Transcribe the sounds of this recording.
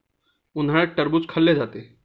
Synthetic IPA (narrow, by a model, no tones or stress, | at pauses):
un̤aɭ̃eʈəɾbut͡skʰəlːed͡zat̪e